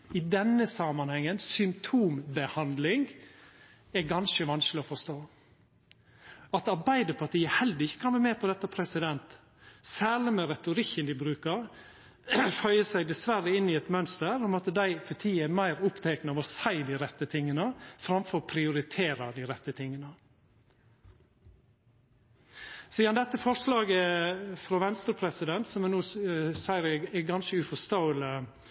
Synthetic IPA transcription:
ɪd̪ɛnːəsɑmɑnhɛŋːənsʏmpt̪ʰuːmbəhɑnd̪lɪŋ | ɛɾɡɑnʃəʋɑnsklɪɔfɔʂt̪oː | ɑt̪ɑɾbæɪd̪əpʰɑt̪ʰiːəhɛld̪əɾɪçːə̥kʰɑnbɛmɛpʰɔd̪ɛt̪ːəpʰɾɛsɪd̪ɛnt̪ | sæːlɪmɛɾɛt̪ʊɾɪkːənd̪ɪbɾʉːkəɾ | fœʏəsæɪd̪ɛsʋæɾəɪnːɪɛt̪mœnst̪əɾɔmɔt̪ːəd̪æɪfɔt̪ʰiːɛmæɪɾʊpt̪ʰɛknəɑʋɔsæɪd̪iːɾɛt̪ːət̪ʰɪŋːənəfɾɑmfɔɾpʰɾɪʊɾɪt̪ʰeːɾɑd̪iːɾɛt̪ːət̪ʰɪŋːənə | siːɑnd̪ɛt̪ːəfɔɾʂlɑːɡəfɾɔʋɛnst̪əɾpʰɾɛsɪd̪ɛnt̪sɔmɛnuːsæɪɾɛɛɡɑnʃəʉfɔst̪ɑʊlə

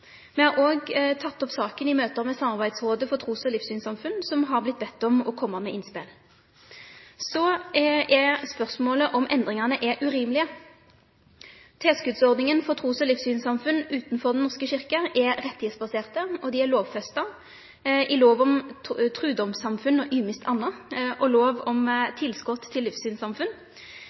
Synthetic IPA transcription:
mɛhɑɾoːɡt̪ʰɑt̪ːɔpsɑːkənɪmøːt̪əʁmɛsɑmɑʁbæɪd̪sʁoːd̪əfɔt̪ʰʁuːsɔlɪːfsyːnsɑmfʉnsɔmɦɑʁblɪt̪̚ːbɛt̪ːɔmɔkʰɔmːəmɛɪnspɪl | sɔɛspœʁsmoːləʔɔmʔɛnd̪ʁɪŋɑʁnəʔɛʔʉʁiːmlɪə | t̪ʰeːskʉːd̪sɔʁd̪nɪŋənfɔʁt̪ʰʁuːsɔlɪfsyːnsɑmfʉnːʉːt̪n̩fɔʁd̪n̩nɔʁskəɕɪʁkəʔɛʁɛt̪ːɪheːt̪sbɑseːʁt̪əɔd̪ɪɛʁloːʋfɛst̪ɑ | ʔɪloːʋɔmt̪ʰʁʉːd̪ɔmsɑmfʉnːɔʔyːmɪst̪ʰɑnːɑʔɔloːʋɔmt̪ʰɪlskɔt̪ʰːɪlːɪfsyːnsɑmfʉn

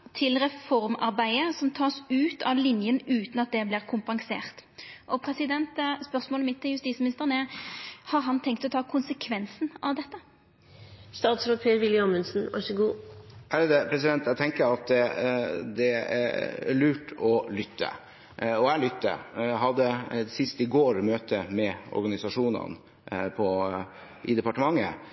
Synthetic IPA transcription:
t̪ʰɪlɾɛfɔɾmɑɾbæɪəsɔmt̪ʰɑːsʉːt̪ʰɑʋlɪnjənʉːt̪nɑt̪̚d̪ɛblɪːʁkʰʊmpɑŋsḛːʁt̪ʔɔpʰɾɛsɪd̪ɛnt̪spœʁsmoːləmɪt̪ʰːɪljʉst̪iːsmɪnɪst̪əʁənəɛhɑɾɦɑnt̪ʰɛŋkt̪ɔt̪ʰɑːkʰʊnsəkʰʋɛnsnɑʋd̪ɛt̪ːə | st̪ɑːt̪sɾoːt̪̚pʰeːɾʋɪlːəɔmənsn̩æ̰ʂəɡuːæɾəd̪ɛpʰɾɛsɪd̪ɛnt̪ɛt̪ʰɛŋkəɾɑt̪̚d̪ɛd̪ɛæ̰ɾæ̰ɭʉːʈʰɔlʏt̪ʰːə̰ | ɔælʏt̪ːə̰ɦɑd̪ːəsɪst̪ɪɡoːɾmøːt̪əmɛɔ̰ɾɡɑnɪsɑʂuːnə̰n | pʰɔ | ʔɪ̰d̪ɛpɑʈəmɑŋːə̰

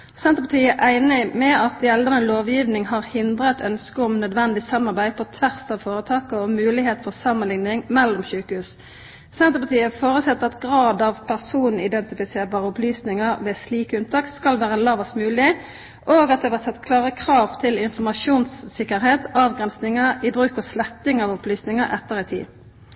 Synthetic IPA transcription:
sɛnt̪əpʰɑt̪ʰiːəʔæɪnɪmɛɑt̪jɛld̪əʁnəloːʋjiːʋnɪŋhɑʁhɪnd̪ʁət̪œnskəʊmnœd̪ʋɛnd̪ɪsɑmːɑʁbæɪpʰɔt̪ʰʋæʁsɑʋfoːʁət̪ʰɑːkəɔmʉːlɪheːt̪fɔʁsɑmənlɪŋnɪŋmɛlːʊmçʉːkəhʉːs | sɛnt̪əpɑt̪ʰiːəfoːʁəsɛt̪ːəɑt̪ɡʁɑːd̪ɑʋpʰæʁsuːnn̩ɪd̪ɛnt̪ɪfɪseːʁbɑːʁəɔplyːsnɪŋəʁʋɛːsliːkəʉnt̪ʰɑːkskɑlʋæːʁəlɑːʋɑsmʉːlɪ | ʔoːɡɑt̪̚d̪ɛʋæːʁsɛt̪ːkʰlɑːʁəkʰʁɑːʋt̪ʰɪlɪnfɔʁmɑʃuːnsːɪkːəɾheːt̪ɑːʋɡʁɛnsnɪŋəɪbʁʉːkɔslɛt̪ːɪŋɑʋɔplyːsnɪŋəʔɛt̪ːəʁɪt̪ʰḭː

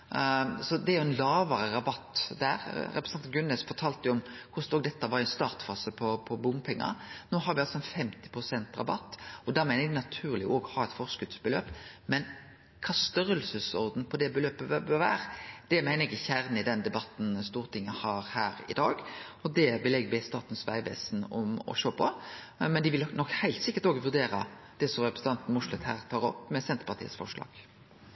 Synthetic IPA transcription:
sɔd̪ɛæɾjʊɛnlɑːʋəɾəɾɑbɑt̪ːd̪æːɾɾɛpɾəsn̩ɡʉnːəsfɔɾt̪ʰɑːlt̪əjʊɔmkʰʊst̪oːɡ̚d̪ɛt̪ːəʋɑɾɪɛnst̪ɑːʁt̪fɑːsəpʰɔpʰɔbʊmpʰɛŋːɑ̰noːɦɑɾʋɪɑlsɔɛnfɛmt̪ɪ̥pɾʊsɛnt̪ɾɑ̰bɑ̰t̪ːɔd̪æmæɪnəɾɛɡnɑt̪ʰʉːʁlɪʔoːɡhɑːɛt̪fɔʁskʉd̪sbəlø̰ːpmɛn | kʰɑːst̪œɾəlsəsɔʁd̪n̩pʰɔd̪ɛbəløːpəbøʋæ̰ːɾd̪̥ɛmæɪnəɾɛɡɪçæɾnɪd̪ɛnd̪ɛbɑt̪n̩st̪uːʁt̪ʰɪŋːəhɑːɾhæːɾɪ̰d̪ɑːɡɔd̪ɛbəlɛɡbɛst̪ɑːt̪n̩sʋæɪʋɛ̰ːsnɔ̰mɔ̰ʃøːpʰɔ | mɛnd̪ɪʋɪlnɔkːhæɪlt̪sɪkːəɾt̪oːɡəʋʉɾd̪eːɾə | d̪̥ɛsɔʁɛpɾsn̩ʰɑnt̪n̩mʊʂlət̪hæːɾt̪ʰɑːɾɔ̰pːmɛsɛnt̪əpɑʁt̪ḭːə̰sfɔ̰ʂlɑ̰ːɡ̥

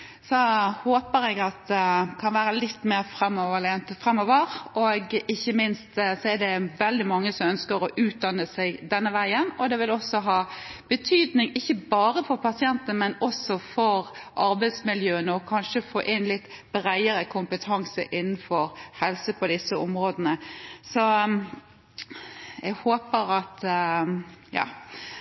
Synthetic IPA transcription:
sɔhoːpəɾɛɡɑt̪̚d̪ɛkʰɑnʋæːɾəlɪt̪ːmeːɾfɾɛmːoʋəlent̪fɾɛmːoːʋəɾɔɡɪçːəmɪnst̪sɔɛd̪ɛʋɛld̪ɪmɑŋːəsɔmœnskəɾɔʔʉːt̪̚d̪ɑnəsæɪɡd̪ɛnːəʋæɪənɔd̪ɛʋɪlɔsːɔɦɑːb̥ət̪ʰyːd̪nɪŋɪçːəbɑːɾəfɔɾpɑsɪɛnt̪ənmɛnɔsɔfɔɾʔɑɾbæɪd̪smɪljøːənəɔkʰɑnʃəfo̰ːʔɪnlɪt̪ːbɾæɪəɾəkʰʊmpət̪ʰɑŋsə̰ʔɪnːn̩fɔɾhɛlsəpʰɔd̪ɪsːəʊmɾoːd̪ənəsɔ | ɛɡhoːpəɾɑt̪ | jɑ̰ː

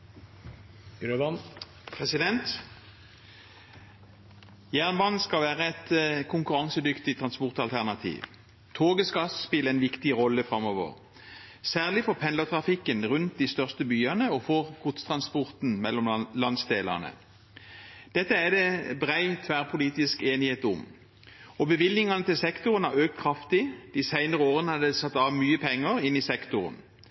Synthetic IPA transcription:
ɾ | pʰʁɛsɪd̪ɛnt̪ | jæːʁnʋɑnskɑʋæːʁəɛt̪kʰʊŋkʉʁɑŋsəd̪ʏkt̪ɪt̪ʰʁɑnspɔʁt̪ɑlt̪ʰæʁnɑt̪ʰḭːʋ | t̪ʰoːɡəskɑsspɪləɛnʋɪkt̪ɪʁɔlːəfʁɑmɔʋə̰ʁ | sæːʁlɪfɔpʰɛnlət̪ʰʁɑfɪkːənʁʉnt̪̚d̪iːst̪œʁst̪əbyːɑnəɔfɔʁkʰʊt̪st̪ʰʁɑnspɔʁt̪n̩mɛlːɔmlɑnd̪sd̪eːlɑ̰ʁnə̰ | d̪̥ɛt̪ːəæd̪ɛbʁæɪt̪ʰʋæːʁpʰʊliːt̪ɪskeːnɪheːt̪ʊm | ɔbəʋɪlːɪŋɑnət̪ɪlsɛkt̪ʊʁənæʁøːk̚t̪kʰʁɑft̪ɪd̪̥ɪsæɪnəʁəoːʁənəhɑd̪ɛsɑt̪ːɑːʋmyːəpʰɛŋːəʁɪnːɪsɛkt̪ʊʁən

